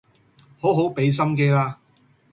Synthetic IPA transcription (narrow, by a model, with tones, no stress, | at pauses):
ho˨˥wɦo˨˥wpe˨˥js̬ɐ˥mke˧laː˧